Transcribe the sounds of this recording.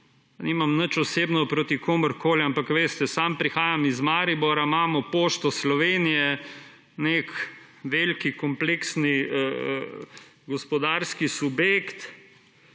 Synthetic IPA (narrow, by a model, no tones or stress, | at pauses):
nimamnət͡ʃɔseːbnɔpɾoːt̪ikʰoːməɾkoːlampakʋeːst̪ɛsampɾixaːjamizmaːɾibɔɾamaːmɔpoːʃt̪ɔslɔʋeːnijɛ | nek | ʋelkikɔmpleːksniə | ɡɔspɔd̪aːɾskisubjeːkt̪